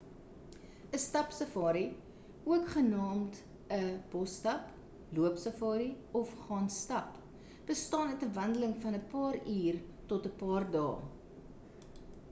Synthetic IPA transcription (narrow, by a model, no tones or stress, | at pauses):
əstɐpsəfɑːɾi | uəkχənɑːmt | əb̥ɔstɐp | luəpsəfɑːɾi | ɔfχɑːnstɐp | b̥əstɑːnətəvɐndələŋfɐnəpɑːriːrtɔtəpɑːrdɑ̰ː